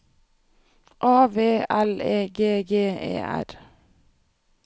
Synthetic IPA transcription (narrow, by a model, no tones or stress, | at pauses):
ʔɑːʋeːæleːɡeːɡeːḛːʔæ̰ɾ